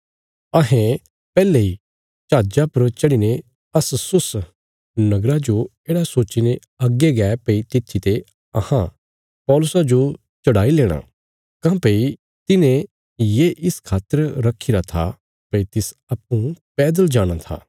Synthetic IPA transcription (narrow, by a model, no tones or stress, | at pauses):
ɐɦẽ | pɛːlei | t͡ʃaːd͡ʒapɐɾt͡ʃɐɽine | ɐssʊs | nɐɡɾad͡ʒoeːɽasoːt͡ʃine | ɐɡːeɡɛːpɐit̪ɪt̪ʰːit̪e | ɐ̰hã̰ | pɔːlʊsad͡ʒo | t͡ʃɐɽaːileːɽ̃a̰ | kãːpei | t̪ɪnẽ | jeːʔɪskʰaːt̪ːəɾɾɐkʰːiɾat̪ʰa̰ | pɐit̪ɪs | ɐpːũpɛːd̪əld͡ʒaːɽ̃at̪ʰa̰ː